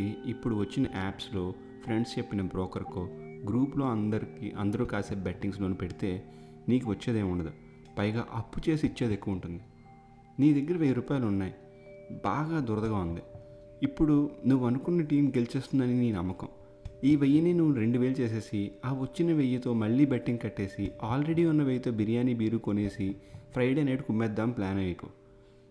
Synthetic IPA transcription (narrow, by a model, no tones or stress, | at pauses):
iipːuɽuʋɐt͡ʃːinɐʔaːpslo̞ː | pʰɾe̞ɳɖst͡ʃepːinɐbɾɔːkɐɾkoːɡɾuːplo̞ːɐnd̪ɐɾikḭʔɐ̰nd̪ɐɾuːkaːseːbɐʈːiŋɡslo̞ːnupe̞ɽit̪e̞ː | niːkuʋɐt͡ʃːeːd̪eːmuɳɖɐd̪u | pɐjɐɡaːʔɐpːut͡ʃe̞ːsiːt͡ʃːeːd̪ekːuʋɐɳʈund̪i | niːd̪ɐɡːɐɾɐʋejɐɾuːpaːjlunːaːji | baːɡaːd̪uɾɐd̪ɐɡaːund̪i | ipːuɽunuʋːuɐnukunːɐʈiːmɡelit͡ʃe̞ːst̪und̪ɐniniːnɐmːɐkɐ̰m | iːʋejːɐninuʋːuɾe̞ɳɖuʋeːlut͡ʃe̞ːs̬e̞ːsiaːʋɐt͡ʃːinɐʋejːɐt̪o̞ːmɐɭːiːbeʈːiŋɡkɐʈːe̞ːsiaːlɾe̞ɽiːunːɐʋejːɐt̪o̞ːbiɾijaːnibiːɾukone̞ːsipʰɾɐjɖe̞ːneːɖkumːɛːd̪ːaːmplaːnɐjɐko̰ː